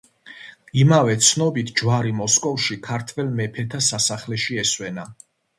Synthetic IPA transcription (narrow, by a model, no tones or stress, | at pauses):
imavɛt̪sʰnɔbit̪ʰd͡ʒwaɾimɔskʼɔfʃikʰaɾt̪ʰvɛlmɛpʰɛt̪ʰasasaχlɛʃiɛswɛna